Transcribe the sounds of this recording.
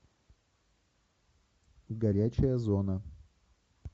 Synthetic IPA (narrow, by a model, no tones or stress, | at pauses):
ɡɐɾʲæt͡ɕɪjəzonə